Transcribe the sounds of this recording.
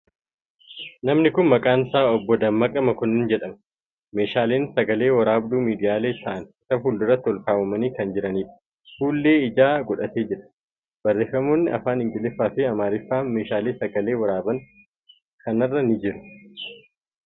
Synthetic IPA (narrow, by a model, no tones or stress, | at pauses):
nɐmnɪkʊnmɐkʼaːnsaːɔbːɔd̪ɐmːɐkʼɐmɐkʊnːɪnd͡ʒɛᶑɐm | me̞ːʃaːleːnsɐɡɐleːwɐɾaːbd̪uːmiːd̪ɪjaːle̞ːt̪ʰɐʔɐnɪsɐfuːld̪ʊrɐt̪ːɪɔlkaːwɐmɐniːkɐnd͡ʒɪɾɐniːᶑɐ̥ | fuːlːe̞ːɪd͡ʒaːɡʼʊᶑɐt̪eːd͡ʒɪɾɐ̥ | b̥ɐrːe̞ːfːɐmo̞ːnːɪɐ̰faːnɪŋɡɪlɪfːaːfɪɐmaːɾɪfːaːnme̞ːʃaːleːsɐɡɐle̞ːwɐɾaːbɐn | kɐnɐrːɐnɪd͡ʒɪɾʊ̥